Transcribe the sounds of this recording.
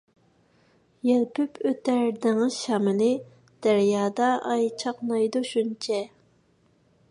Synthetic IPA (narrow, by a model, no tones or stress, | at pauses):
jɛlpʰypʰøt̪æɾd̪ɪŋɪzʃɑmɪnɪ | d̪̥æɾjɑːd̪ɑːjt͡ʃʰɑqnɑjd̪uʃunt͡ʃʰɛ